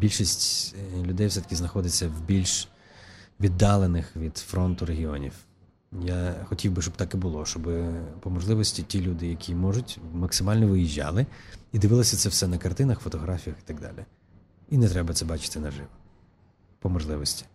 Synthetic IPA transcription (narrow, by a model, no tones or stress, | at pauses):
bʲilʲʃisʲtʲlʲʊd̪ɛjwsɛt̪ɐ̥kʲɪznɐxɔd̪ɪt͡sʲːɐwbʲilʲʃ | ʋʲid̪ːɑlˠenɪxʋʲid̪̥fɾɔnt̪ʊɾeɦʲiɔ̰nʲḭw | jaxɔtʲiwbɪʃt͡ʃɔbt̪ɑkɛbʊlˠɔʃt͡ʃɔbɪpɔmɔʒlˠɪʋɔsʲtʲitʲilʲud̪ɪjɐkʲʰimɔʒʊtʲmɐksɪmɑlʲnɔʋɪjiʒːɑ̰lˠɪid̪ɪʋɪlˠɐsʲɐt̪sɛwsɛnɐkɐrt̪ɪnɐxfɔt̪ɔɦɾɑfʲijɐxi̥t̪ɐɡd̪ɑ̰lʲi | inɛt̪ɾɛbɐt̪sɛbɑt͡ʃɪ̥t̪ɪnɐʒɪw | pɔmɔʒlˠɪʋɔsʲtʲi̥